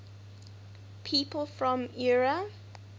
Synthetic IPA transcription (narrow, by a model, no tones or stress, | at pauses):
pʰiːˑpəlˠfɹɔ̃miɹə